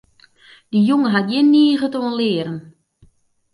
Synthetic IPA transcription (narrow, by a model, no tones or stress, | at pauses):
d̥ijuŋəɦatjɪnːiːəɣətoːənlɪːɾən